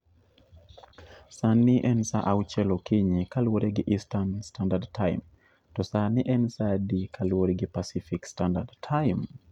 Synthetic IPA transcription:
saniʔɛnsa̰ʔawt͡ʃɛlɔkɪɲikalwoɾɛɡɪʔistanstandadtʰaj̰m | tɔsaniʔɛnsadikʰalwoɾɛɡɪpasifikstandadtʰajm

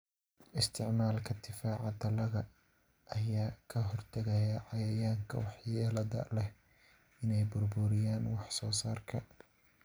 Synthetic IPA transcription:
ʔɪst̪ʰɪʕmaːlkʰɐd̪ʰɪfaːʕɑd̪ɐlɐɣɐ | ʔɐjaːkʰɐɦɔrt̪ʰɐɣɛjɐʕɑjɐjaːŋkʰɐ̰wɑħjɛːlɐðɐ̰lɛh | ɪnɛjbʊrbʊɾɪjaːnwɑħsɔːsaːrkʰɐ

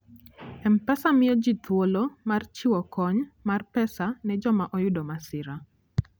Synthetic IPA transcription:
ɛmpɛsamɪjɔd͡ʒit̪wolomart͡ʃɪwɔkɔɲmarpɛsanɛd͡ʒɔmaʔɔjʊdɔmasɪɾa

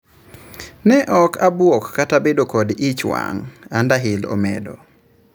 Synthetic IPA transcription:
nɛʔɔkʰabwɔkːatabedokodit͡ʃwa̰ŋandaɦɪlo̰mḛdo̰

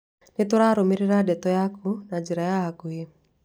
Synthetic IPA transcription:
net̪oɾaɾomiɾiɾadɛt̪ɔjakunad͡ʒiɾajaɦakuɦi

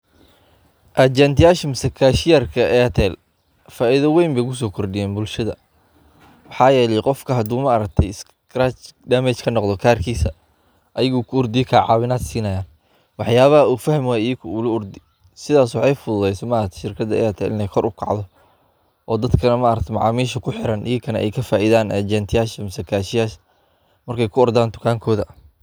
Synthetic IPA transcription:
ʔɐt͡ʃɛnt̪ʰɪjaːʃɐmɪsɐkʰaːʃɪjarkʰɐʔɛt̪ʰɛl | faːʔɪðɐwɛjmbɛjkʰʊs̬ɔːkʰɔrɖɪjɛːnbʊlʃɐðɐ̰ | wɑħɑːjɛːlɛjqɔfkʰɐɦɐd̪uːmɐɐɾɐk̚t̪ʰɛjɪs | kɾat͡ʃɖamɛt͡ʃkʰɐnɔqd̪ɔkʰaːrkʰiːsɐ | ʔɐjɪɣʊkʰʊʊrd̪ɪjkʰaːʕɑːwɪnaːd̪siːnɐjaːn | wɑħjaːβɐɦɐuːfɐhɐmaijkʰʊulɐʊrd̪ɪ | sɪðaːswɑħɑjfʊðʊðɛjsɔmaʔɾɐk̚t̪ʰʃɪrkʰɐd̪ɐ̰jaːt̪ʰɛɪ̰nɛkʰɔrʔʊkʰɑ̰ʕd̪ɔ | ʔɔːd̪ɐd̪kʰɐnɐmɐʔɐɾɐkt̪ʰɛmɑʕɑːmiːʃɐkʰʊħɪɾɐnʔɪjɐkʰɐnɐ̰ʔɛ̰jkʰɐfaːʔiðaːnɛd͡ʒɛnt̪ʰɪjaːʃɐmɪsɐkʰaːʃɪjaːʃ | mɐrkʰɛjkʰʊɔrd̪aːnt̪ʰʊ̥kʰaːŋkʰɔːðɐ

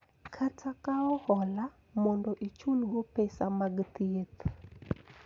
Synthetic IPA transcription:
kʰatʰakaɔhɔla | mɔndɔʔit͡ʃulɡɔpesamaɡt̪iet̪

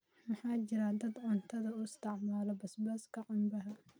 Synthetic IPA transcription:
mɑħɑːt͡ʃɪɾad̪ɐd̪ʕʊnt̪ʰɐðɐʊɪst̪ʰɪʕmaːlɔbɐsbɐskʰɐqʊmbɐɦɐ

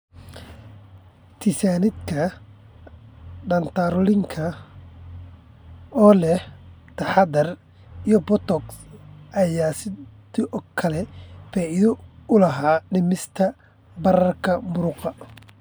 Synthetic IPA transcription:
t̪ʰɪsaːnɪd̪kʰɐ | ɖɐnt̪ʰaːɾɔlɪŋkʰɐ | ɔːlɛh | t̪ʰɐħad̪ɐr | ijɔbɔt̪ɔksʔɐjaːsɪd̪ɪʔɔkʰɐlɛfɛʔɪðɔʊlɐɦaːɖɪmɪst̪ʰɐ | bɐɾɐrkʰɐmʊɾʊqɑ

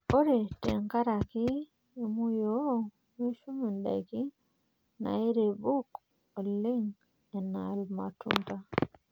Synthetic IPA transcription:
oɾetɛŋkaɾaki | emujo | miʃuminda̰jki | na̰jiɾebuk | oliŋ | ɛna̰lma̰tṵnta

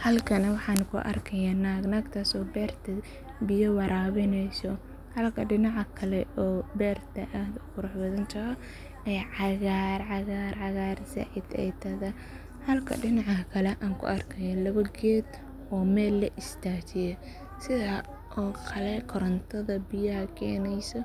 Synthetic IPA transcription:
hɐlkʰɐnɐwɑħɑːnkʰʊ̰ʔɐ̰rkʰɐjaːnaːɡnaːɡt̪ʰaːsɔːbɛːrt̪ʰɐ | bɪjɔwɑɾaːβɪnɛjsɔ | hɐlkʰɐɖɪnɑʕɑkʰɐlɛɔːbɛːrt̪ʰɐʔaːd̪ʊkʊɾʊħbɐðɐnt͡ʃɐɔ | ɛjʕɑɣaːɾʕɑɣaːɾʕɑɣaːɾsɐ̰ʕɪd̪ɛ̰jt̪ʰɐðɐ | hɐlkʰɐ̰ɖɪnɑʕɐkʰɐlɛʔaːŋkʰʊ̰ʔɐrkʰɐjɐlɐβɐɡɛːd̪ | ʔɔːmɛːlːɐʔɪst̪ʰaːt͡ʃɪjɐ | sɪðaː | ʔɔːkʰɐlɛkʰɔɾɐnt̪ʰɐðɐbɪjɐhɐkʰɛːnɛjsɔ

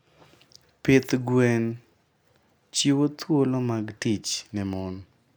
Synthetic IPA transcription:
pɪt̪ɡwɛn | t͡ʃiwot̪wolomaɡtit͡ʃnɪmɔn

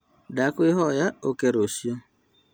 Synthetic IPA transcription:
dakʊɪɦɔjaokeɾosio

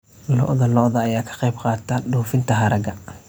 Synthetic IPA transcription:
lɔ̰ʔðɐlɔʔðɐːjaːkʰɐ̥qɛjbqɑːt̪ʰɐɖuːfɪnt̪ʰɐɦɐɾɐɡɐ

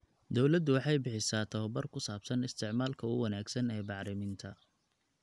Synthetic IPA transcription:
d̪ɔwlɐd̪ʊwɑħɑjbɪħɪsaːt̪ʰɔɐbɐrkʰʊsaːb̥sɐnɪst̪ʰɪʕmaːlkʰɐʊ̰wɐnaːɡsɐnɛːbɑʕɾɪmɪnt̪ʰɐ

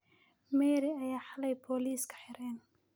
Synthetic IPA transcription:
mɛːɾɪɐjaːħalɛjpʰɔːliːskʰɐ̥ħɪɾɛːn

